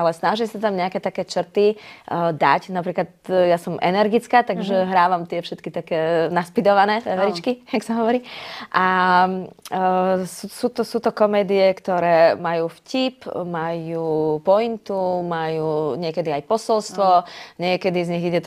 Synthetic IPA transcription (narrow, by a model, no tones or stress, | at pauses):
alɛsnaʒisat̪amɲɛakɛːt̪akɛːt͡ʃr̩t̪id̪a̰cnapɾiːklat̪jasɔmʔɛ̰nɛɾɡit͡skaːt̪aɡʒɛɦɾaːʋamt̪ɪɛfʃɛt̪kit̪akɛːnaspid̪ɔʋanɛːɛʋɛɾit͡ʃkijaksaɦɔʋɔɾiːʔa | susuːt̪ɔsuːt̪ɔkɔmɛːd̪iɛkt̪ɔɾɛːmajuːfcipmajuːpɔint̪umajuːɲɪɛkɛd̪iajpɔsɔlst̪ʋɔɲɪɛkɛd̪izɲiɣiɟɛt̪